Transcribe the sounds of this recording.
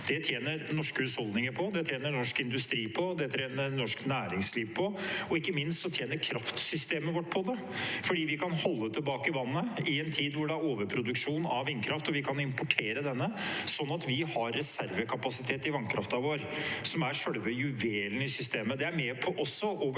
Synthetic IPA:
d̪̥ɛt̪ʰjeːnəɾnɔʂkəhʉshɔlˠd̪nɪŋəɾpʰɔd̪ɛt̪ʰjeːnənɔʂkɪnd̪ʉst̪ɾiːpʰɔd̪ɛt̪ʰɾeːnəɾnɔʂknæːɾɪŋsliːʋpʰɔɔɪkːəmɪnst̪sɔt̪ʰjeːnəɾkʰɾɑft̪sʏst̪eːməʋɔʈːpʰɔd̪ɛ | fɔɖiːʋɪkʰɑnhɔlːət̪ʰːɪlbɑːkəɪʋɑnːəɪɛnt̪ʰiːd̪ʋʊɖɛæɾoːʋəɾpʰɾʊd̪ʉkʂuːnɑʋɪnːkʰɾɑft̪ɔʋɪkʰɑnɪmpɔʈʰeːɾəd̪ɛnːəsɔnːɑt̪ʋɪhɑɾːɛsæɾʋəkʰɑpɑsɪt̪ʰeːt̪ɪʋɑŋkʰɾɑft̪ɑʋoːɾsɔmæɾʂœɽʋəjʉʋeːln̩ɪsʏst̪eːməd̪ɛæɾmeːpʰɔʔɔsːɔʔoːʋə

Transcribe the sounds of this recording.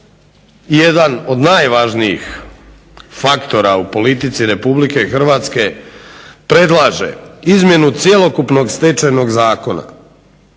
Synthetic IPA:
je̞d̪ano̞d̪naːjʋaʒniḭx | fakt̪o̞ɾaupo̞lit̪it̪siɾe̞publike̞xr̩ʋaːt̪ske̞ | pɾe̞d̪laːʒḛizmje̞nut̪sje̞lo̞kupno̞ɡst̪et͡ʃajno̞ɡzaːko̞na̰

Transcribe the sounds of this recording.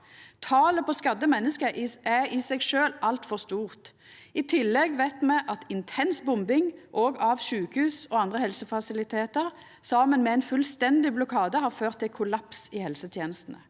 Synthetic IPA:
t̪ʰɑːləpʰɔskɑd̪ːəmɛnːəskəæʁɪsɛɡʃøːlʔɑlt̪fɔʁst̪uːʁt̪ | ɪt̪ʰɪlːɛɡʋæɪt̪mɛʔɑt̪ɪnt̪ʰɛnsbʊmbɪŋʔoːɡɑʋʃʉːkəhʉːsɔɑnd̪ʁəhɛlsəfɑsɪlɪt̪ʰeːt̪əʁ | sɑːmənmɛɛnfʉlst̪ɛnd̪ɪblʊkʰɑːd̪əhɑːʁføːʁt̪ʰːɪlkʰʊlɑpsɪhɛlsət̪ʰjeːnəst̪n̩ə

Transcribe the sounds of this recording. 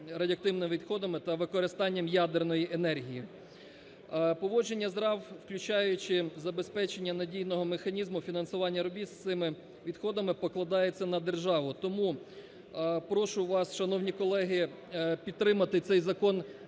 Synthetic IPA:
ɾɐdʲiɐk̚t̪ɪwnɪmʋʲid̪xɔd̪ɐmɪt̪ɐʋɪkɔɾɪst̪ɑnʲːɐmjad̪ernɔjiʔenɛrɦʲiji | pɔʋɔd͡ʒenʲːɐzɾɑwwklʲʊt͡ʃɑjʊt͡ʃɪzɐbespɛt͡ʃenʲːɐnɐdʲijnɔɦɔmexɐnʲizmʊfʲinɐnsʊʋɑnʲːɐɾɔbʲist̪sɪmɪ | ʋʲid̪xɔd̪ɐmɪpɔklˠɐd̪ɑjet͡sʲːɐnɐd̪erʒɑʋʊt̪ɔmu | pɾɔʃʊʋɑsʃɐnɔwnʲikɔlˠɛɦɪ | pʲid̪̚t̪ːɾɪmɐt̪ɪt̪sɛjzɐkɔn

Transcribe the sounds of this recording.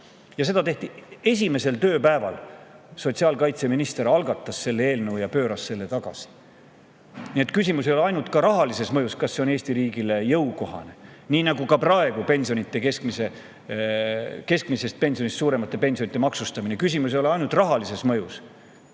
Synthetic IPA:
jɑse̞d̪ɑt̪e̞ht̪ie̞s̬ʲime̞se̞lt̪ø̞ːpæevɑ̰l | so̞t̪ʲsiɑlkɑjt̪se̞minist̪e̞ɾɑlɡ̥ɑt̪ːˑɑsse̞lːee̞ːlnɤvwjɑpø̞ːɾɑsse̞lːe̞t̪ɑɡ̥ɑ̰si̥ | niet̪ˑkysʲimus̬ejolɑjnult̪ˑkɑɾɑɦɑlise̞smɤjuskɑsːeone̞ːsʲt̪iɾiːɡile̞jɤwko̞ɦɑ̰ne̞ | niːnɑɡ̥ukɑprɑe̞ɡ̥upe̞nsio̞nit̪ːˑe̞keskmise | ke̞skmise̞st̪̚pe̞nsionist̪suːɾe̞mɑt̪ːˑe̞pe̞nsʲionit̪ːemɑksust̪ɑminekysimus̬ejoleɑjnult̪rɑɦɑlise̞smɤjus

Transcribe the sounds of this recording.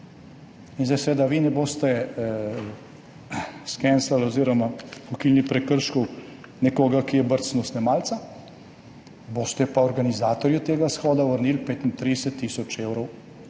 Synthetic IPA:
inzd̪ajsʋeːd̪aʋinɛboːst̪ɛ | skɛnsaloziːɾɔmakɔkilnipɾɛkəɾʃkɔw | nɛkoːɡakijɛbəɾt̪snɔsnɛmaːlt̪sa | bost̪ɛpaɔɾɡanizaːt̪ɔɾjut̪eːɡasxɔːd̪aʋəɾniːlpeːt̪int̪ɾid̪ɛsɛt̪ːiːsɔt͡ʃeːwɾɔw

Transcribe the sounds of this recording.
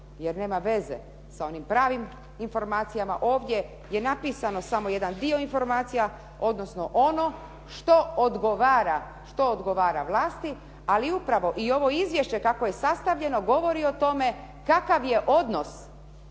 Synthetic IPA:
jeɾne̞ːmaʋe̞ze̞̰ | sao̞nimpɾaːʋim | info̞ɾmaːt̪sijamaʔo̞ːʋd̪je̞ | je̞napiːsano̞samoje̞d̪and̪io̞info̞ɾmaːt̪sija | o̞d̪no̞sno̞ʔono̞ | ʃt̪o̞od̪ɡoʋaːɾa | ʃt̪o̞ːd̪ɡo̞ʋaːɾaʋlˠaːst̪i | aliupɾaʋo̞ʔio̞ʋo̞izʋje̞ʃt͡ɕe̞kako̞je̞sast̪aʋʎe̞no̞ɡo̞ʋo̞ɾio̞t̪o̞me̞ | kakaʋje̞ʔo̞d̪no̞s

